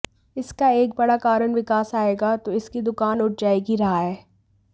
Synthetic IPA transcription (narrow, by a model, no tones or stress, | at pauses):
ɪskaeːk̚bɐɽakaːɾəɳʋɪkaːsaːeːɡat̪oɪskid̪ʊkaːnʊʈ̚ʰd͡ʒaːeːɡiɾɐɦaɦɛː